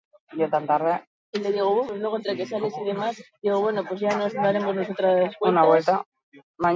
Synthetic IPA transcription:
jot̪ant̪aɾðe | eld̪eðiɣoβopesnokont̪ɾakesalesiðe̞masðiɣ̞oβwe̞nopwe̞zʝanonaɾe̞mo̞znosot̪ɾaðeskwenaβwet̪a | maɲ

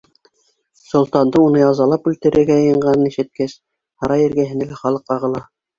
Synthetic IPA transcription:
sŏlˠt̪ɑnd̪ɤunɤjɑzɑlˠɑpʉlt̪ɘ̆ɾʔɘ̆ɾɡæjɤ̆jɤ̆ɴɢɑnɤniʃɘ̆t̪̚kæs | hɑɾɑjɘ̆ɾɡæɦɘ̆nælæχɑlˠɤqɑʁɤ̆lˠɑ

